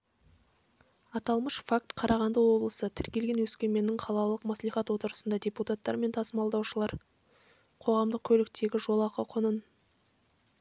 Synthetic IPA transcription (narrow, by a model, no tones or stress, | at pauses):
ɑt̪ɑlˠməʃfak̚t̪qʰɑɾɑʁɑnd̪əwo̞blˠəsət̪ʰɪɾkʲe̞lɡʲe̞nwɵskʲe̞ɾme̞nɪŋqʰɑlˠɑlˠəqmɑsliχɑt̪wo̞t̪əɾəsənd̪ɑd̪ʲeput̪at̪ːɑ̰ɾme̞nt̪ʰɑsəmɑlˠd̪ɑwʃəlˠɑɾ | qʰo̞ʁɑmd̪əq̚kʲʰɵlɪk̚t̪e̞ɡʲɪʒo̞lˠɑqəqʰʊnən